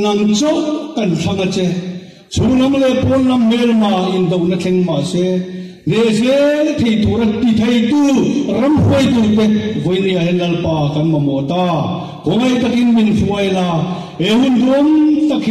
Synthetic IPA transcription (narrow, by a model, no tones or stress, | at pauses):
nɐŋt͡sɔʔkɐnt͡ɬʰɐŋat͡sɛ | t͡sʰulɐmlɛpɔnlɐmːɛlmaʔɪnd̪ownɐt͡ɬʰɛŋmasɛ | nɛsɛt̪ʰejt̪uɾɐt̪it̪ʰejt̪urɐmɦuəjt̪ulp̪ɛk̚vɔjniahɛnlɐlpaːkɐnmɐmɔt̪a | kɔŋɐjt̪ɐkinminfuɐjla | eɦund̪umt̪ɐkʰ